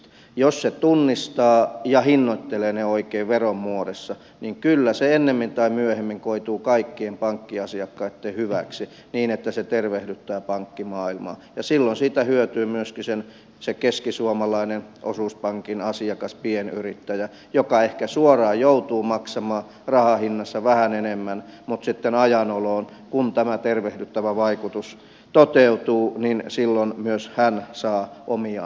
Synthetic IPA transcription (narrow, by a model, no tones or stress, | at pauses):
josset̪unːist̪ɑːjɑhinːoit̪ːeleːneoikeiːʋʋerommuoɾesːɑ | niŋkylːæseenːemːint̪ɑimyøhemːiŋkoit̪uːkɑikːiempɑŋkːiɑsiɑkːɑit̪ːehyʋæksi | niːnet̪ːæset̪erʋehdyt̪ːæːpɑŋkːimɑːilmɑ̰ːjɑsilːonsiːt̪æhyøt̪yːmyøskisen | sekeskisuomɑlɑinenʔo̰suˑspɑŋkinɑsiɑkɑspieny̰rit̪ːæjæ | jokɑehkæsuorɑːjout̪uːmɑksɑmɑː | rɑhɑhinːɑsːɑʋæhænenemːænmut̪sit̪ːenɑjɑnoloːn | kunt̪æmæt̪erʋehdyt̪ːæʋæʋɑikut̪us | t̪ot̪eut̪uːninsilːonmyøshænsɑːʔomiɑ